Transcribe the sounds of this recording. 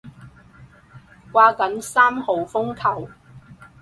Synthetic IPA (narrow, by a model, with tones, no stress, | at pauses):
kʷaː˧kɐ˨˥nsaː˥mho˨wfʊ˥ŋkʰɐ˨˩w